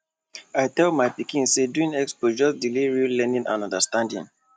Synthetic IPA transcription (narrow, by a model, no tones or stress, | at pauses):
aɪtɛlmaɪpikĩnseduĩnɛkspod͡ʒɔsdiliɹiulɛnĩnã̰nɔ̃ndəstãndḭ̃n